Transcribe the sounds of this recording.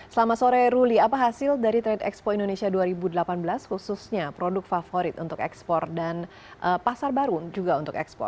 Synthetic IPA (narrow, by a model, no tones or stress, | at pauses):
səlamasoɾɛɾuliapaɦasɪldaɾit̪ɾɛdɛkspoindonesiaduaɾibudəlapanbəlashususɲapɾodʊk̚fafoɾɪt̪ṵnt̪ʊkɛ̰kspɔrdan | ʔəpasarbaɾud͡ʒuɡaunt̪ʊkɛ̰kspɔ̰r̚